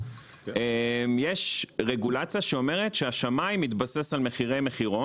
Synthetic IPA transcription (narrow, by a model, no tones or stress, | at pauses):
emjeʃʁeɡulat͡sjaʃeo̞me̞ʁ̞etʃeaʃamajmːit̪base̞salmeχiʁejmeχiʁo